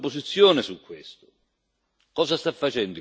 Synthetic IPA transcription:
posit̪sːjɔːnɪsukːwest̪ʊ | kɔːsast̪afːat͡ʃɛnd̪i

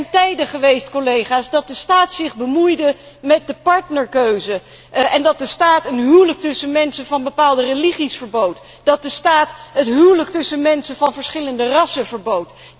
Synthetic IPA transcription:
ntɛjdəχəʋejstkolejχaːsdɑt̚dəstaːtsɪχbəmujdə | mɛt̚dəpɑɹtnəɹkøɥzə | ɛndɑt̚dəstaːtənɦywlək̚tɵsənmɛnsəvɑnbəpaːlˠdərəliχisfəɹbowt | d̥ɑt̚dəstaːtɦətɦywlək̚tɵsənmɛnsəvɑnvəɹsχɪləndərɑsəvəɹbowt

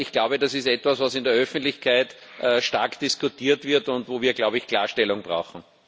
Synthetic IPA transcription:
ɪçɡ̥laʊbədasɪstɛtvasvasɪndəɐœfn̩tlɪçkʰaɪt | ʔəʃta̰ɐkd̪̥iskʊtiːɐtvɪɐtʊntvoːviːɐɡlaʊbeɪçkʰl̥aːɐʃtɛlʊŋbʁa̰ʊxŋ̩

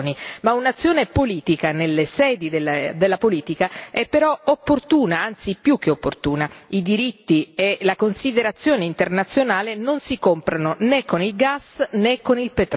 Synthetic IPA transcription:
nimaunat̪sːjoːnepoliːt̪ikanelːesɛːd̪id̪ed̪elːapoliːt̪ikaɛpːeɾɔopːort̪uːnaant̪sipjuk̟ːeopːort̪uːnaid̪iɾit̪ːielakonsid̪eɾat̪sːjoːneint̪ernat̪sːjonaːlenonsikompɾanonekːonilɡasnekːonilpet̪ɾ

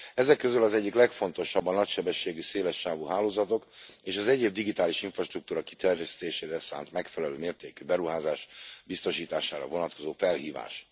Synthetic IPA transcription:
ɛzɛkːøzylɒzɛɟːiklɛkfo̞nt̪o̞ʃɒbːɒnɒcʃɛbɛʃːeːɡyseːlɛʃːaːvuɦaːloːzɒt̪o̞keːʃɒzɛɟeːb̚d̪iɡit̪aːliʃiɱfrɒʃt̪ruk̚t̪uːɾɒki̥t̪ɛrjɛst̪eːʃeːɾɛsa̰ːnt̪mɛkfɛlɛløːmeːrt̪eːkybɛɾuɦaːzaːʃbist̪oʃiːt̪aːʃaːɾɒ̰vo̞nɒt̪ko̞zoːfɛlɦiːva̰ːʃ

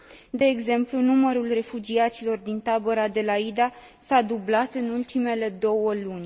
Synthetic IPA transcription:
d̪e̞ːɡze̞mplunuməɾulre̞fud͡ʒiat̪silo̞rd̪int̪abəɾad̪e̞laid̪a | sad̪ublat̪ɨnult̪ime̞le̞d̪o̞wəlunʲ

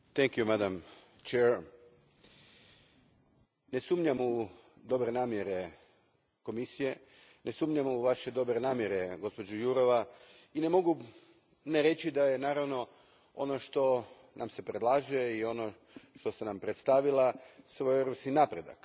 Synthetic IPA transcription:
t̪ɛŋkjumad̪am | t͡ʃeɾ | ne̞suːmɲamu | d̪o̞bɾe̞naːmje̞ɾe̞ | ko̞misije̞ | nʔe̞suːmɲamuʋaʃe̞d̪o̞bɾenaːmje̞ɾe̞ɡo̞spo̞d͡ʒujuɾo̞ʋa | ine̞mo̞ɡu | neɾe̞t͡ʃid̪aje̞naːɾaʋno̞ | o̞̰no̞ʃt̪o̞ | nʔamse̞pɾe̞d̪lˠaːʒeio̞no̞ | ʃt̪o̞senampɾet̪st̪aʋilˠasʋo̞jeɾopskinaːpɾe̞d̪a̰k

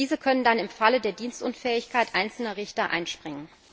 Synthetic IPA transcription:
iːzəkʰœnəndanɪmfalədeːɐdiːnstʊnfɛːɪçkʰaɪtʔaɪnt͡sl̩nɐʁɪçtɐʔa̰ɪnʃpʁ̥ɪŋən

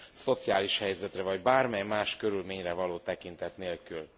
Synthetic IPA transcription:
so̞t̪sijaːliʃhɛjzɛt̪rɛvɒɟbaːrmɛjmaːʃkø̞ɾylmeːɲrɛvɒloːt̪ɛkint̪ɛt̪neːlkyl

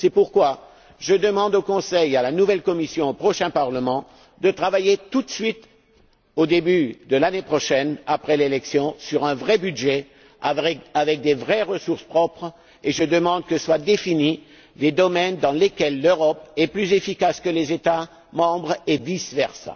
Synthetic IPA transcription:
sɛpuʁkwa | ʒəd̪əmɑ̃d̪okɔ̃sɛjalanuvɛlkɔmisjɔ̃opχɔʃɛ̃paʁləmɑ̃ | d̪ət̪χavajet̪ut̪sɥit̪ | od̪ebyd̪əlanepχɔʃɛnapχɛlelɛksjɔ̃syʁɛ̃vʁɛbyd̪ʒɛ | avɛavɛk̚d̪evʁɛʁəsuʁspχɔpχ | eʒəd̪əmɑ̃d̪̚kəswad̪efini | led̪ɔmɛnd̪ɑ̃lekʲɛlːøʁɔpɛplyzefikaskəlezet̪a | mɑ̃bʁevisvɛʁsa̰

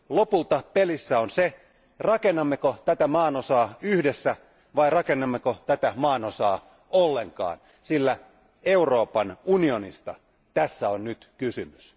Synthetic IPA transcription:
lopult̪ɑpelisːæonse | rɑkenːɑmːekot̪æt̪æmɑːnosɑːyhdesːæ | ʋɑirɑkenːɑmːekot̪æt̪æmɑːnosɑ̰ː | olːeŋkɑ̰ːn | silːæ | euroːpɑnunionḭst̪ɑ̰ | t̪æsːæonnyt̪kysymys

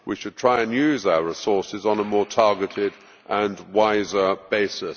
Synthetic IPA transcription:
wiʃɨd̚tʰɹ̥aɪɨ̃njʉzaʊəɹɪsɔɹsɪzn̩əmɔːtʰɑɹɡətɪd | ʔə̃nwaɪzə˞b̥eɪsɪs

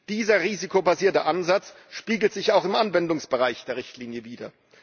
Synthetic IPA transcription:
d̥iːzɐʁiːzikobaziːɐtəʔanzat͡s | ʃpiːɡl̩tz̥ɪçaʊxɪmʔanvɛndʊŋsb̥əʁaɪçd̥eːʁɪçtʰliːnjəviːdɐ

